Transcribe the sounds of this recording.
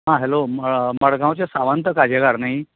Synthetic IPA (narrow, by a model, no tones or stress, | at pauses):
ɦãɦelomməɽɡãwt͡ɕjasaʋant̪əkad͡ʑʱeɡaɾnai